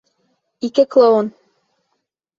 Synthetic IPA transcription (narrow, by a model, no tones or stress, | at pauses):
ikɘklˠoon